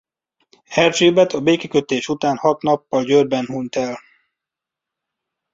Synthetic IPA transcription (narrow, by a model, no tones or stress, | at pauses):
ɛrd͡ʒeːbɛt̪ɒbeːkɛkøt̪eːʃut̪aːnhɒt̪nɒpːɒlɟørbɛnhuːnt̪ɛl